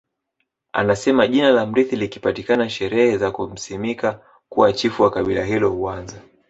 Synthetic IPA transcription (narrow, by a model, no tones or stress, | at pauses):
a̰nasɛmaʄinalam̩ɾiθilikipatikanaʃɛɾɛhɛzakum̩smika | kuwat͡ʃifuwakaɓilaɦilɔhuanza